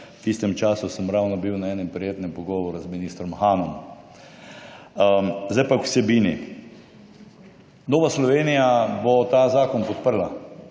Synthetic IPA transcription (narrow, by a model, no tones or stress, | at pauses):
t̪ist̪ɛmt͡ʃaːsusəmɾawnɔbiwnaɛːnɛmpɾɛjeːt̪nɛmpɔɡɔːʋɔɾuzminiːst̪ɾɔmxaːnɔm | zd̪ajpakwsɛbiːnḭ | noːʋaslɔʋeːnijabɔt̪azaːkɔnpɔt̪̚pəɾla